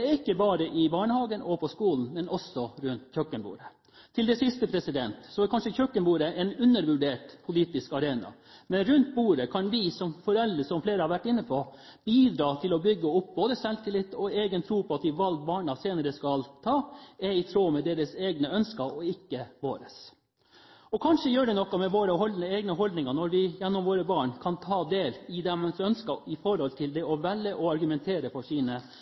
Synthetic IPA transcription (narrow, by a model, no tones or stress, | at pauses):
ɛɾɪkːəbɑːɾəʔɪbɑːɳəhɑːɡənʔɔpʰɔskuːln̩mɛnʔɔsɔɾʉnt̪çœkːənbṵːɾə | t̪ʰɪld̪ɛsɪst̪əpʰɾɛsɪd̪ɛnt̪sɔɛkʰɑnʂəçœkːənbuːɾəɛnʉnːəɾʋʉɖeːʈpʰʊliːt̪ɪskɑɾeːnɑ̰ | mɛnɾʉnt̪̚buːɾəkʰɑnʋɪsɔmfɔɾɛld̪ɾəsɔmfleːɾəhɑɾʋæʈːɪnːəpʰɔ | biːd̪ɾɑːt̪ʰɪlɔbʏɡːəʊp̚ːboːd̪əsɛlt̪ɪlɪt̪ːɔeːɡənt̪ʰɾuːpʰɔɑt̪ɪʋɑlɡbɑːɳɑseːnəɾəskɑlt̪ʰɑːɛɪt̪ʰɾoːmɛd̪eːɾəseːɡnəœnskɑɔɪkːəʋo̰ːɾə̰s | ɔkʰɑnʂəjøːɖɛnɔkːɔmɛʋoːɾəɦɔld̪nəeːɡnəɦɔld̪nɪŋɑnɔɾʋɪjɛnːɔmʋoːɾəbɑːɳkʰɑnt̪ʰɑːd̪eːlɪd̪ɛmsœnskɑɪfɔɾhɔlt̪ʰɪld̪ɛɔʋɛlːəʔɔɑɾɡʉmɛnt̪ʰeːɾəfɔʂiːnə